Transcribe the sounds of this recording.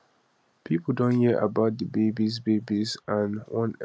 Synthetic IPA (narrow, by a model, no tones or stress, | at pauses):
pʰipl̩ˠdõnhiʔa̰baʊt̚dəbebis̬bebizãnwɔ̃n